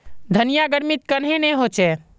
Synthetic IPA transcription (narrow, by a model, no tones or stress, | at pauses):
d̪ʱənijaɡəɾmit̪kənɦenɛɦot͡ʃɛ